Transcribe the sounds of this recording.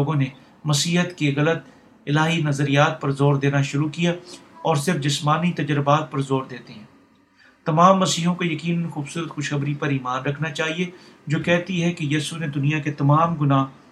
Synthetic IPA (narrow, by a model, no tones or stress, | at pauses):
oːɡõne | mɐsiːɦət̪keɣɐlət̪ | ɪlaːɦinɐzəɾijaːt̪̚pɐɾzoːɾd̪eːnaʃʊɾukijaɔːɾsɪɾfd͡ʒɪsmaːnit̪ɐd͡ʒəɾɪbaːt̪̚pɐɾzoːɾd̪eːt̪eɦɛ̃ː | t̪ɐmaːmːɐsiːɦõkojɐkiːnənxuːbsuːɾət̪xʊʃxɐbɾipɐɾiːmaːnɾɐkʰnat͡ʃaːɦied͡ʒoːkɛɦt̪iɦɛkejiːsuned̪ʊnijaket̪ɐmaːmɡʊnaː